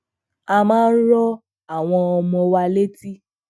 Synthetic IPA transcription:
a˧mãː˦n̩˦ɾɔ˦ | a˨w̃ɔ̃˧ɔ˧mɔ̃˧wa˧le˦ti˦

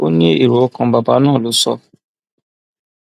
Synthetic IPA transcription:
o˦ni˦i˨ɾo˨˦kɔ̃˨ba˨ba˨˦nãː˦˨lu˨˦sɔ˦

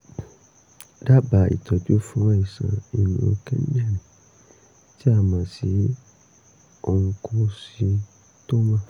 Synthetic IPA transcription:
da˦ba˨ḭ˨tɔ˨bo˦fũ˦ã˦i˨sã̰˨i˨nĩ˨˦õ̰˧kɛ˦n˦a˦˨nĩ˨ | ti˦a˦˨mã˨si˨˦ | o˧ŋ̩˧kʰo˧si˧˦ | to˦mã˦

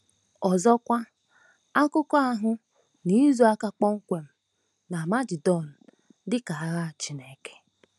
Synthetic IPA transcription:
ɔ˨zɔ˦kʷa˦ | a˦kʊ˦kɔ˦a˦ɦʊ˦ | ni˦zu˨a˦ka˦k͡pɔ˦ŋ̩˦kʷe˨m̩˨ | na˨ma˦d͡ʒɪ˨dɔ˦˨n̩˨ | dɪ˦ka˨a˨ɾa˦˨t͡ʃi˦ne˨ke̥˨

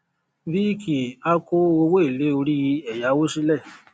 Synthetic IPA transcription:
vi˦˨kʰi˨a˦ko˦o˧wo˦e˦˨le˨˦o˧ɾi˦ji˧˦ɛ˨ja˨˦wo˦ʃi˦lɛ˦˨

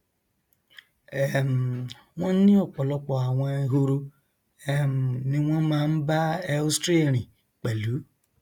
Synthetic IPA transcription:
e˨m̩˨ | ŋʷɔ˦n̩˦nɪ˦ɔ˨k͡pɔ˨lɔ˦kɔ˨a˨ŋʷe˦ɦu˦ɾu˦ | e˦m̩˨nɪ˨ŋʷe˦ma˨m̩˦ba˦e˦stɾi˦˨ɾi˨ | k͡pe˨lu˨˦

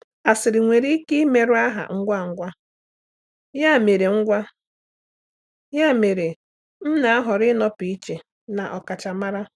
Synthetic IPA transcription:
a˨sɪ˨ɾɪ˨ŋʷe˨ɾi˦i˦ki˦me˨ɾʊ˦a˦ɦa̰˨ŋ̩˦ɡʷa˦ŋ̩˦ɡʷa˦ | ja˦˨me˨ɾe˨ŋ̩˦ɡʷa˦ | ja˦˨me˨ɾe˨ | n̩˦na˨˦a˦ɦɔ˨ɾɪ˦nɔ˦pi˨i˦t͡ʃe˨ | na˨ʔɔ˨ka˨t͡ʃa˨ma˦ɾa˦

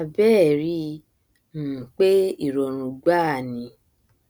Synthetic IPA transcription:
a˨˧bɛ˦˨ɾi˧˦ | ñ̩ː˨k͡pe˦i˦˨ɾɔ˨ɾ̃ũ˧ɡ͡ba˦˨nĩ˧

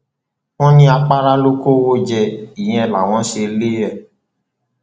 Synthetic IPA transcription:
w̃ɔ̃˦nĩ˦a˧k͡pa˦ɾa˦lo˦ko˦wo˦d͡ʒɛ˧˨i˨j̃ɛ̃˧ɛ˨la˨w̃ɔ̃˨˦ʃe˧le˦ɛ˦˨

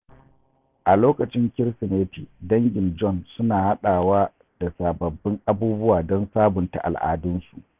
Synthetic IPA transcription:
ʔa˨loː˦kɐ˨t͡ʃɪ˦ŋkʲɪ˦ɽsɪ˨neː˦tiː˨dɐ˦ŋɡʲɪ˨nd͡ʒɔ˦˨nsʊ˦naː˨ha˦ɗaː˨waː˦ | d̥a˨saː˨bɐ˨bːɪ˦ŋʔa˦buː˦bʊ˦waː˨dɔ˦nsaː˦bʊ˨nta̰˨ʔa̰˨lʔa̰ː˨dʊ˦nsu˨ʔ

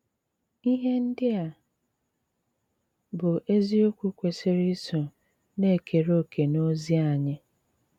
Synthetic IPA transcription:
i˦ɦe˦n̩˦dɪ˦a˨ | bʊ˨ʔe˦zi˦o˦kʷu˦kʷe˨sɪ˦ɾi˦so˨ | ne˦˨kʰe˨ɾo˦˨kʰe˨no˦zi˦a˦˨ɲɪ˦

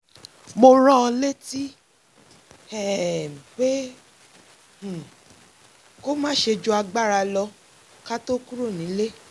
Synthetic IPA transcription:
mo˧ɾ̃ɔ̃˦˧le˦ti˦ | ɛ˦˨k͡pe˦ | h̩˨ | ko˦mãː˦ʃe˧d͡ʒo˧a˧ɡ͡ba˦˨ɾa˧lɔ˧ | ka˦to˦ku˦ɾo˦˨nĩ˨˦le˦

